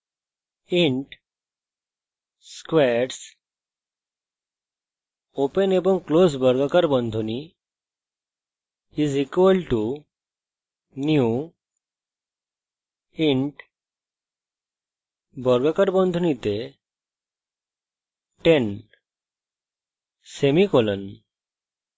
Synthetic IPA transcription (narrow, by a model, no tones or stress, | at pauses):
iɳʈ | skʋɛɾs | opənebə̃ŋɡklosbəɾɡakəɾbə̃nd̪ʱuni | izikʋəlʈu | nju | iɳʈ | bəɾɡakəɾbənd̪ʱunit̪e | ʈen | semikɔlən